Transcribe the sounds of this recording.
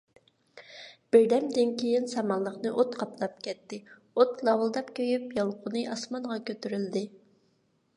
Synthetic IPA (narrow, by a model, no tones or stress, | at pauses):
b̥ɪɾd̪ɛmd̪ɪnkʲʰejɪnsɑmɑlˠːəχnɨʔot̪qʰɑpʰlˠɑp̚kʲʰɛt̪ːɪ | ot̪lˠɑwlˠd̪ɑpkʲʰøjypjɑlˠqʰʊnɨʔɑsmɑnʁɑkʲøt̪yɾyld̪ɪ